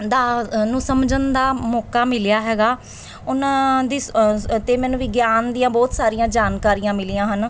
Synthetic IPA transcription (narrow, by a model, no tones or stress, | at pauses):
d̪aːnũːsəmd͡ʒənd̪aːmɔːkaːmɪljaːɦɛːɡaː | ʊnãːd̪iːt̪eːmɛːnũːʋɪɡjaːnd̪iːãːbɔːt̪saːɾijãːd͡ʒaːnkaːɾiːãːmɪlɪjãːɦən